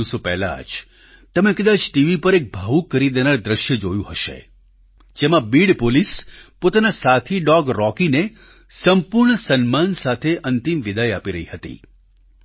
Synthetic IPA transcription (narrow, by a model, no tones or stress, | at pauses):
sopɛɦla̰d͡ʒ | t̪əmekəd̪ad͡ʒʈiʋipəɾek̚bʱaʋũkːəɾid̪enaɭd̪ɾəʃjəd͡ʒojũɦəʃḛ | d͡ʒemãbiɽpolispot̪anasat̪ʰiɖɔɡɾɔkine | səmpuɾɳəsənmansat̪ʰeʔənt̪imʋid̪əjapiɾəɦiɦət̪ḭ